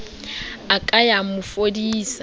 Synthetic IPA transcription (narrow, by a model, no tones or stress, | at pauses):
akʼajamʊfodiːsa